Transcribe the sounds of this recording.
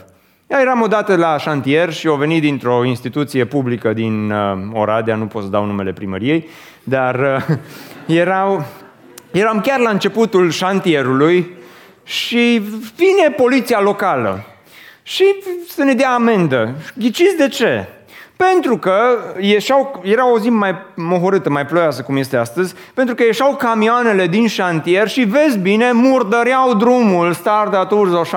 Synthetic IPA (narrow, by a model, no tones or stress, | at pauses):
jaje̞ɾamo̞d̪at̪əlaʃant̪ie̞rʃio̞ve̞nit̪̚d̪int̪ɾo̞inst̪it̪ut̪sije̞publikəd̪ino̰ɾad̪eanupot̪səd̪awnume̞le̞pɾimə̰ɾije̞j | d̪ar | jeɾa | jeɾamkʲarlaɨnt͡ʃe̞put̪ulʃant̪ie̞ɾuluj | ʃivine̞po̞lit̪sialo̞kalə̰ | ʃisene̞d̪eaːme̞nd̪ə̰ɡʲit͡ʃizʲd̪e̞t͡ʃe̞̰ | pe̞nt̪ɾukəjeʃawjeɾawozimmajmoɦoɾɨt̪əmajplojasəkumje̞st̪east̪əzʲ | pent̪ɾukəje̞ʃawkamioane̞le̞d̪inʃant̪ie̞rʃive̞zʲbine̞murd̪əɾeawd̪ɾumulst̪ard̪at̪uɾsawʃa